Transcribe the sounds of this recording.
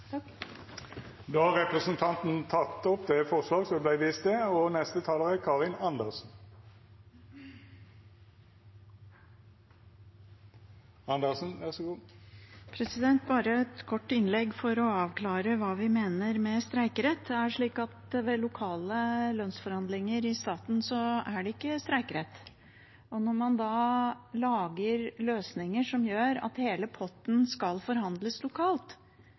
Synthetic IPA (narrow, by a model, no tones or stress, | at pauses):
d̪oːhɑʁɛpʁəsənt̪ʰɑnt̪n̩t̪ʰɑt̪ːɔpd̪ɛfɔʁsʋɑːɡsɔblæɪʋiːst̪̚d̪ɛɔnɛst̪ət̪ʰɑːləʁəkʰɑːʁɪnɑnd̪əʁsn̩ | ɑnd̪əʁsn̩ʋæʁsɔɡuː | pʰɾɛsɪd̪ɛnt̪bɑːɾəɛt̪kʰɔʈːɪnlɛɡfɔɾɔɑːʋkʰlɑːɾəʋɑːʋɪmeːnəɾmɛst̪ɾæɪkɾɛt̪ːæʂɭiːkɑt̪ʋɛlʊkʰɑːləlœnsfɔɾhɑnd̪lɪŋəɾɪst̪ɑːt̪n̩sɔæɖɛɪkːəst̪ɾæɪkɾɛt̪ː | ɔnɔɾmɑnd̪ɑːlɑːɡəɾløːsnɪŋəʂɔmjøːɾɑ̰t̪heːləpʰɔt̪n̩skɑlfɔɾhɑnd̪ləslʊkʰɑːlt̪